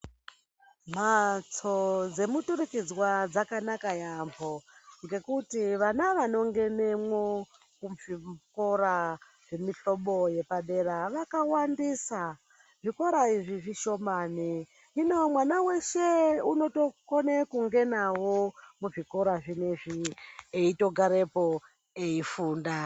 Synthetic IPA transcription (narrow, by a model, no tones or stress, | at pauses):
m̤at͡sod͡ze̞mutuɾikid͡zwad͡zakanakajamboŋɡe̞kutiʋanaʋano̞ŋɡe̞nemwo | kuvikoɾa | ʐe̞miɬo̞ɓo̞je̞paɗe̞ɾaʋakawandisa | ʐiko̞ɾaiʐiʐiʃo̞maːni | inomwanawe̞ʃeuno̞to̞konekuŋɡe̞nawomuʐiko̞ɾaʐineʐieito̞ɡʱaɾe̞po | eifuːnda